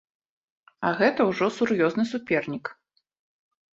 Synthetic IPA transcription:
ɐɣɛt̪ɐwʐɔsurjɔznɨsupʲɛrnʲik

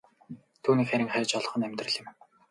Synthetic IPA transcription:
t̪ʰuːniːkχæɾʲɪ̆ŋχæːt͡ɕɔɮ̆χɞ̆næmʲt̪rə̆ɮɪ̆m

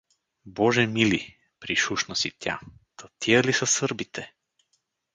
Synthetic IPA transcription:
bɔʒɛmili | pɾiʃuʃnəsit̪ʲja̰t̪ɐt̪ʰiəlisəsɤɾbit̪ʰɛ

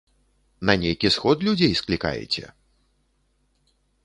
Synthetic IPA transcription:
nɐnʲejkʲisxɔt̪lʲud͡zʲejsklʲika̰jɛ̰t͡sʲɛ̰

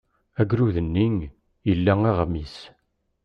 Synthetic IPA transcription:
æɡɾuðənːiŋ | jəlːæŋiʁmis

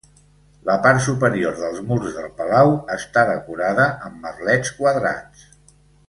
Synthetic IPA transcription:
ləpaɾt̪supəɾioɾðəlˠzmuɾzðəlˠpəlawəst̪aðəkuɾaðəəmːərlɛt͡skwəðɾa̰t͡s

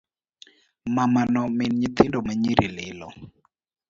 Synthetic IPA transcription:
mamanɔmɪnɲit̪ɪndomaɲiɾilɪlɔ

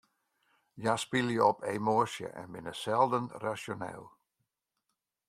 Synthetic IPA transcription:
jaspilˠjəɔpʰemoəsjə̰ʔɛ̰nbɪnəsɛlˠdənrasjonɛ̰ːlˠ

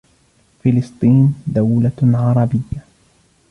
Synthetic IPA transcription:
fɪlɨst̪ˤiːnd̪awlaʕɑɾˤɑbɪjːa

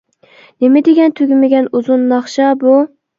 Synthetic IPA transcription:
nemɪd̪ɪɡʲɛnt̪ʰyɡʲymɪɡʲɛnuzʊnːɑχʃɑbu

